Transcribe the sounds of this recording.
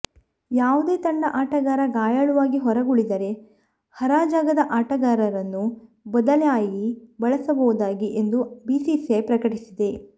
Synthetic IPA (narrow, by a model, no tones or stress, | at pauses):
jaːʋud̪eːt̪ɐɳɖɐʔaːʈɐɡaːɾɐɡaːjɐɭuʋaːɡiɦɔɾɐɡuɭid̪ɐɾe̞ | hɐɾaːd͡ʒaːɡɐd̪ɐʔaːʈɐɡaːɾɐɾɐnːu | bɔd̪ɐlejaːjibɐɭɐsɐbɐwud̪aːɡiʔend̪ubiːsisepɾɐkɐʈisid̪e̞